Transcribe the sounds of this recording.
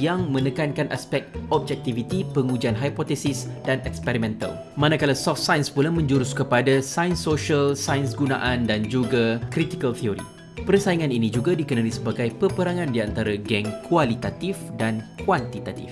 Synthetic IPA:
jaŋmə̃nə̃kankanʔaspɛk̚t̪ɔb̚d͡ʒɛk̚t̪ivit̪ipəŋud͡ʒanɦajpɔt̪ɛsisdanɛkspɛɾimɛ̃nt̪a̰l | mãnãkalasɔft̪sajənspulamə̃ɲd͡ʒuɾʊskəpadasajənsoʃalsajənsɡuna̰ʔandand͡ʒuɡakɾit̪ikalt̪ʰioɾḭ | pərsaiŋãninĩd͡ʒuɡadikənalisəbaɡajpəpəɾaŋãndiant̪aɾaɡɛŋkʰualit̪at̪ifdankwant̪it̪at̪ḭf

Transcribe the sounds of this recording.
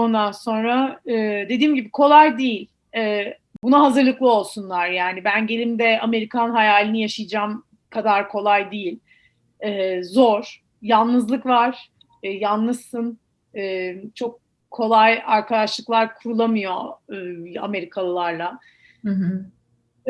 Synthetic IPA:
o̞nd̪anso̞nɾaɯːd̪e̞d̪iːmɟibikʰo̞lˠajd̪ijilʲ | ɛː | bunaɦazɯɾlˠɯklˠɯo̞lˠsunlˠaɾjaːnibænɟe̞lʲimd̪ɛame̞ɾikʰanɦajaːlʲinijaʃɯjd͡ʒam | kʰad̪aɾkʰo̞lˠajd̪ijilʲ | ɛːzoɾ̥ | janˠnɯzlˠɯkvaɾ̥ | janːɯʃɯn | ɛːt͡ʃʰo̞k̚ʰː | o̞lˠajaɾkʰad̪aʃlˠɯklˠaɾkʰuɾulˠamɯjo̞ɯːa̰me̞ɾikʰalˠɯlˠaɾlˠa

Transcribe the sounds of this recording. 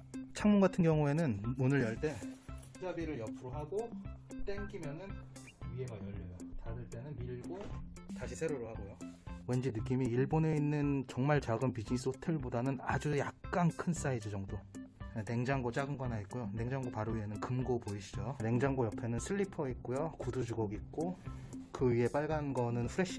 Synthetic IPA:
t͡ɕʰaŋmunɡatʰɯnɡjʌŋue̞nɯnunɯɭjʌɭt͈e̞ | d͡ʑabiɾɯɭjʌpʰuɾoɦaɡot͈eŋɡimjʌnɯn | ie̞ɡajʌʎːʌjotaɾɯɭt͈e̞nɯnmiɭɡotaɕʰisʰe̞ɾoɾɯɭhaɡojowe̞nd͡ʑinɯk̬͈imiːɭbone̞inːɯnt͡ɕʌŋmaɭt͡ɕaɡɯmpid͡ʑiɲis͈ʰotʰe̞ɭbodanɯnad͡ʑujak̚k͈ankʰɯns͈aid͡ʑid͡ʑʌŋdoene̞ŋd͡ʑaŋɡot͡ɕ͈aɡɯnɡanait̚k͈ojone̞ŋd͡ʑaŋɡopaɾoienɯnkɯmɡopoiɕʰid͡ʑone̞ŋd͡ʑaŋɡojʌpʰe̞nɯnsʰɯɭːipʰʌit̚k͈ojokudud͡ʑuɡʌɡit̚k͈okɯɥie̞p͈aɭɡanɡʌnɯnɸʰuɾe̞ɕ͈ʰ

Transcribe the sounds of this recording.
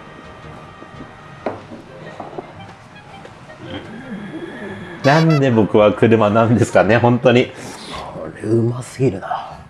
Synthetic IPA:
nãnd̪e̞bo̞kɯ̟βakɯ̟ɾɯ̟manãnd̪e̞sɨ̥kane̞ɦõ̞nt̪o̞ɲ̟ioɾɯɯmasɨɡʲiɾɯ̟na

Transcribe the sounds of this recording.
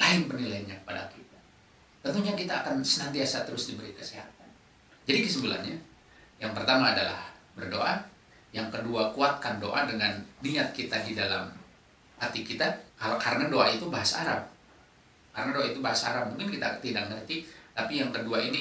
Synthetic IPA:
laɪnpərnilajaɲakə̥pada̰kit̪a | t̪ənt̪uɲakit̪aːkansənant̪iasat̪əɾʊsdibəɾikə̥seɦat̪̚an | d͡ʒadikəs̬əbəla̰ɲa | jaŋpərt̪amaːdala̰hbərdo̰ʔa | jaŋkəduakuat̪̚kando̰ʔadəŋanːiat̪̚kit̪adidala̰m | hat̪ikit̪akalokaɾənadoʔait̪ubaɦasa̰ɾap̚ | kaɾənadoait̪ubaɦasaa̰ɾap̚muŋkɪnkit̪at̪idak̚nərt̪it̪apijaŋkəduaini

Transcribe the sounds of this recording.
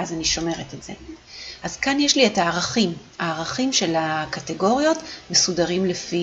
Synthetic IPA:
azaniʃo̞me̞ʁetetz̥e̞̰azkanjeʃlietaːʁaχim | aːʁaχimʃe̞lakate̞ɡo̞ʁjo̞tme̞sudaʁimlefi

